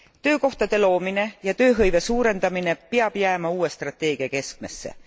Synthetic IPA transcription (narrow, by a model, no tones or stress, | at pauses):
t̪ø̞ːko̞ht̪ɑd̪e̞lo̞ːmine̞jɑt̪øːɦɤjve̞suːɾe̞nd̪̥ɑmine̞piɑb̥jæːmɑuːwe̞st̪rɑt̪ːˑe̞ːɡ̥iɑke̞sk̚me̞sːe̞̰